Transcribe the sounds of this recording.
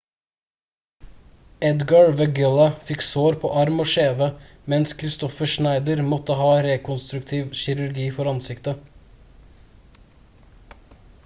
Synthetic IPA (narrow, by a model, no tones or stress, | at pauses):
ɛd̪ɡɑɹʋəɡʏlɑfɪksoːɾpʰo̰ːʔɑɾmoːʃeːʋə | mɛnskʰɾɪst̪ɔfəʃnæɪd̪əɾmɔt̪əhɑːɾeːkʊnst̪ɾʉkt̪ʰiːʋʃɪɾʉɾɡiːfɔɾɑnsɪkt̪ə